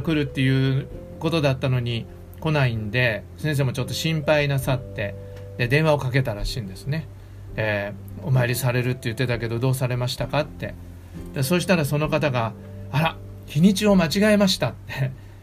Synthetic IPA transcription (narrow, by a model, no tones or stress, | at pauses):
kɯ̟ɾɯ̟t̪ːe̞jɯ̟ː | ko̞t̪o̞d̪at̪ːano̞ɲ̟i | ko̞naĩnd̪e̞sẽs̬e̞ːmot͡ɕo̞t̪ːo̞ɕĩmpainasat̪ːe̞ | d̪e̞d̪ẽ̞ɰ̃βaokak̬e̞t̪aɾaɕĩːnd̪e̞sɨne̞ | e | o̞maeɾʲisaɾe̞ɾɯ̟t̪ːe̞jɯ̟t̪ːe̞t̪ak̬e̞d̪o̞d̪o̞ːsaɾe̞maɕi̥t̪akat̪ːe̞ | d̪̥asoːɕ̬i̥t̪aɾaso̞no̞kat̪aɡa | aɾa | kʲiɲ̟it͡ɕio̞mat͡ɕiɡaemaɕi̥t̪at̪ːe̞